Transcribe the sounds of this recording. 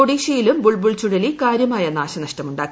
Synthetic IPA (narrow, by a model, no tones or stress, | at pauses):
oɽiːɕɐjilumbuɭbuɭt͡ɕuɽɐlikaːɾjɐmaːjɐnaːɕɐnɐʂtɐmuɳɖa̰ː